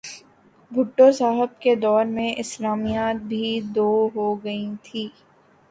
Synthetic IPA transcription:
bʱʊʈːosaːɦɪb̚ked̪ɔːɾmẽʔɪslaːmijaːt̪̚bʱid̪oːɦoɡɐĩt̪ʰiː

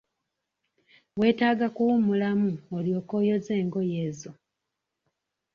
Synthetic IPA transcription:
we̞ːtaːɡakuwumulamuoljo̞ːko̞ːjo̞ze̞ːŋɡo̞jezo

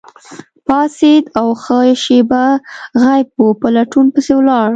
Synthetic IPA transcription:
pɑsed̪awxəʃebaɣajb̚wupəlaʈunpəsewlɑɽ

